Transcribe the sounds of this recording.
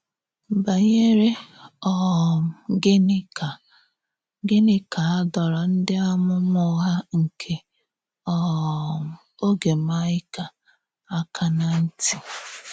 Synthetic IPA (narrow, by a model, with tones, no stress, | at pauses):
ba˨ɲe˦ɾe˦ɔ˦˨m˨ɡe˦n˦ka˨ | ɡe˦nɪ˦ka˨a˦dɔ˨ɾɔ˨n̩˦dɪ˦ɔ˦mʊ˦m˦ʊ˦ɦa˦ŋ̩˨kʰe˨ | ɔ˦˨m˨o˦ɡe˨ma˦ɪ˦ka˨ | a˦kʰa˦na˨n̩˦ti˨